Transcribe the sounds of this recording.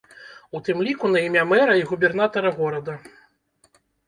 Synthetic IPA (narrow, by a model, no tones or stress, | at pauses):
ut̪ɨmlʲikunɐimʲamɛɾɐiɣubʲɛrn̪at̪ɐɾɐɣɔɾɐd̪ɐ